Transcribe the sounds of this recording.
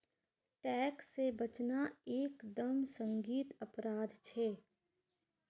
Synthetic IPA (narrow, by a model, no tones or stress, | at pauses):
ʈɛːksːebət͡ʃnaeːkd̪əmsə̃ŋɡiːt̪əpɾaːd̪t͡ʃʰɛː